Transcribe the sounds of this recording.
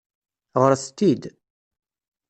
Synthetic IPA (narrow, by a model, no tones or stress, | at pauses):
ʁəɾst̪id̪